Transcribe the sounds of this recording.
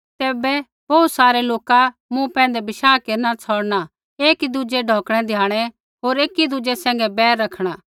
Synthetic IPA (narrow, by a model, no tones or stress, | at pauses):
t̪eːbɛ | boːt̪saːɾeloːka | mũpɛ̃ːənd̪ɛbɪʃaːkeːɾnat͡sʰɔːɽna | eːkid̪ʊd͡ʒeɖʱɔːkɽ̃ɛd̪ʱɪjaːɽ̃ɛ | ɦoːɾeːkid̪ud͡ʒesɛ̃ːŋ̆ɡɛbɛːɾːɐkʰɽ̃aː